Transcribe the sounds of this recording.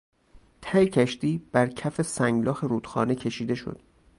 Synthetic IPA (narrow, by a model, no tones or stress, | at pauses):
t̪ʰæjcʰæʃt̪iːb̥æɾcʰæfe̞sæŋɡlɒːxeɾuːd̪̥xɒ̰ːnecʰe̞ʃiːd̪e̞ʃo̰d̪̥